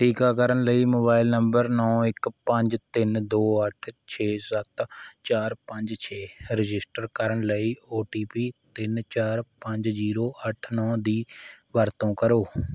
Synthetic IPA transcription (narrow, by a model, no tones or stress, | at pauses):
ʈʰiːkaːkəɾənləiːmoːbaːɪlnəmbəɾnɔːɪkpəɲd͡ʒt̪ɪnd̪oːəʈʰt͡ʃʰeːsət̪t͡ʃaːɾpəɲd͡ʒt͡ʃʰeːɾɪd͡ʒɪsʈəɾkəɾəɳləiːoːʈiːpiːt̪ɪnt͡ʃaːɾpəɲd͡ʒziːɾoːʔəʈʰnɔ̃ːd̪iːʋəɾt̪õːkəɾoː